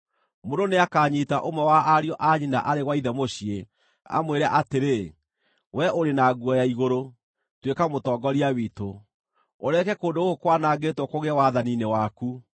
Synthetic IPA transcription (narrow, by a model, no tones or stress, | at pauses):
mononeakaːɲitaʔomwɛwaʔaɾiɔʔaɲina̰ʔaɾeɣwaiðɛmoɕie | a̰mweɾa̰ʔateɾe | wʔɛʔoɾenaːɡuɔjaiɣoɾo | twekamotɔːɡɔɾiawiːto | oɾɛkɛkoːndooɣokwanaːɡetwɔkoɣewaðaninewaku